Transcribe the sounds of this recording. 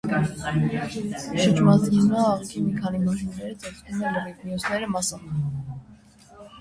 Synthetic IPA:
ʃət͡ʃʰmɑzinɑːʁkimikʰɑnimɑʒunɛɾət͡sʰɛsnumɛnləmit̪miɔsnɛɾəmɑsɑn

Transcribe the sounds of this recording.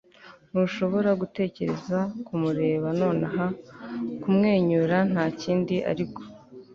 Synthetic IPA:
nuʃo̞βo̞ɾaɡute̞ːce̞ɾe̞zakumuɾe̞ːβano̞ːnaɦa | kumŋe̞ːɲuːɾan̥haːciːndiʔa̰ɾiko̞̥

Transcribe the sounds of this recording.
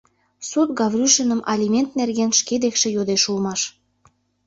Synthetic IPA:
sut̪̚ɡɑvrʲyʃənəmʔɑ̰lʲimʲent̪nerɣenʃked̪ekʃĕjod̪eʃulmɑʃ

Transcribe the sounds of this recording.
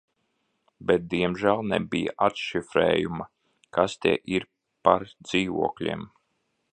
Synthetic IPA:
bɛt̪̚d̪iɛmʒælˠnɛ̰bija̰ʔat̪ʃifɾɛ̰ːjumɐ | kʰast̪ɛ̰ɛʔiɾ | paɾd̪ziːvuɔklʲḭɛm

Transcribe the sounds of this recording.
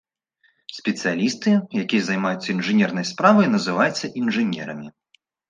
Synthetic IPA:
sʲpʲɛt̪sɨjalʲist̪ɨjakʲijɐzɐjmajut̪sːɐinʐɨnʲɛrnɐjspɾavɐjnɐzɨvajɛt̪sːɐʔinʐɨnʲɛ̰ɾɐmʲi

